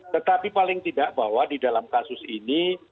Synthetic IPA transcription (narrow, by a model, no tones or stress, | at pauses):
t̪ət̪apipalɪŋt̪idaʔbawadidalamkasʊsini